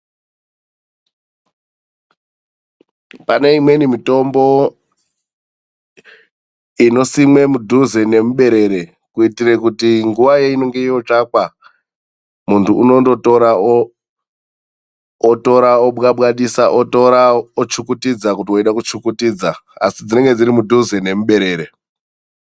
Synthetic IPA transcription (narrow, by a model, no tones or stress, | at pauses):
pane̞imwe̞nimito̞mbo̞ | ino̞simwe̞mudʱuzene̞muɓe̞ɾe̞ɾe̞ | kuitire̞kutiŋɡuʋajeino̞ŋɡe̞ijo̞t͡ʂakwa | muntʰuːno̞ndo̞toɾao | oto̞ɾaoɓɣaɓwaɗisaʔotoɾaot͡ʃukutid͡zakutioiɗakut͡ʃukutiːd͡zaa̰sid͡zine̞ŋɡe̞d͡ziɾimudʱuzene̞muɓe̞ɾe̞ːɾe̞